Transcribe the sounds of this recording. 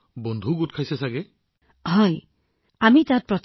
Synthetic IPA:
bond̪ʱuɡut̚kʰajsɛsaɡe | ɦɔj | amitãt̚pɹɔt

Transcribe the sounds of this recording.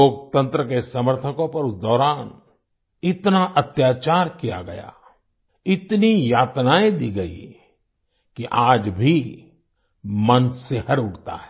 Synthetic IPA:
oːk̚t̪ə̃nt̪ɾəkesɐməɾt̪ʰəkõpɐɾʊsd̪ɔːɾaːn | ɪt̪naʔɐt̪jaːt͡ʃaːɾkija̰ɡɐja̰ | ɪt̪nijaːt̪naːẽd̪iːɡɐḭ | kiʔaːd͡ʒbʱi | mɐnsehɐɾʊʈt̪a̰ɦɛː

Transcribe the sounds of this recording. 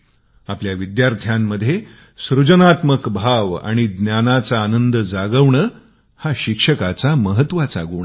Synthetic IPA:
apljaʋid̪jaɾt̪ʰjamːəd̪ʱːje | sɾud͡ʑənat̪məkbʱaʋa̰ɽ̃id̪njanat͡saːnənd̪əd͡zaɡəʋɳəː | haɕikʂəkat͡saməɦət̪ːʋat͡sa̰ɡəʋɳ

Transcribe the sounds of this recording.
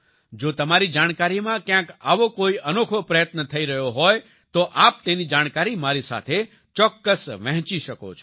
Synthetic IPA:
d͡ʒot̪əmaɾid͡ʒaɽ̃kaɾimãkjãka̰ʋokoiənokʰopɾəjət̪nət̪ʰəiɾəɦjoɦɔj | t̪oʔap̚t̪enid͡ʒaɽ̃kaɾimaɾisa̰t̪ʰe | t͡ʃɔkːəsʋə̃ɦt͡ʃiʃəko̰t͡ʃʰo

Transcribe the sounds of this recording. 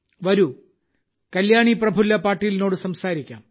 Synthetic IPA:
ʋɐɾu | kɐljaːɳiprɐbʱulːɐpaːrʈːijilno̞ːɽɨsɐmsaːɾikʲːa̰ːm

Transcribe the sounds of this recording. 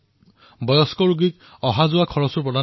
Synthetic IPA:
bɔjɔskɔɹuɡik | ɔɦazʊakʰɔɹɔsuɹpɹɔda

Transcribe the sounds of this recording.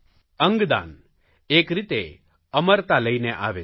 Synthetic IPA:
əŋɡd̪a̰n | ekɾit̪e | əməɾt̪aləjneʔa̰ʋe

